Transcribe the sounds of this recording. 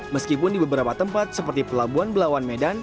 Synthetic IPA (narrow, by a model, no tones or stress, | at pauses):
məskipʊndibəbəɾapat̪əmpat̪̚səpərt̪ipəlabuanbəlawanmedan